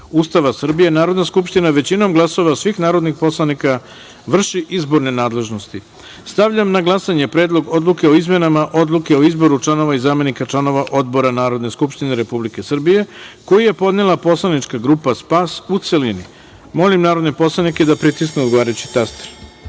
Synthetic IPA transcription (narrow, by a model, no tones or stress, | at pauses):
ust̪aʋasr̩bije̞naːɾo̞d̪naskupʃt̪inaʋe̞t͡ɕino̞mɡlˠaso̞ʋasʋixnaːɾo̞d̪nixpo̞slˠanika | ʋr̩ʃiʔizbo̞ɾne̞naːd̪le̞ʒno̞st̪i | st̪aʋʎamnaɡlˠasaɲe̞pɾe̞ːd̪lˠo̞ɡo̞d̪luke̞o̞izme̞namaʔo̞d̪luke̞o̞izbo̞ɾut͡ʃlˠano̞ʋaizaːme̞nikat͡ʃlˠano̞ʋaʔo̞d̪bo̞ɾanaːɾo̞d̪ne̞skupʃt̪ineɾe̞publike̞sr̩bije̞ko̞jije̞po̞d̪nelˠapo̞slˠanit͡ʃkaɡɾupaspasut̪se̞lini | mo̞limnaːɾo̞d̪nepo̞slˠanike̞d̪apɾit̪iskneoɡo̞ʋaːɾajut͡ɕi̥t̪ast̪ɾ